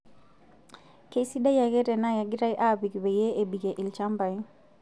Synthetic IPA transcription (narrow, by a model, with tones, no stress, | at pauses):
ke˦si˦da˦ja˨kɛ˦ɾɛ˨na˦ja˨ɡɪ˦ɾa˦jʔa˦˨bi˨kbe˨je˦ʔe˨bi˨ɡe˨ʔɪ˨lt͡ʃa˦mba˨j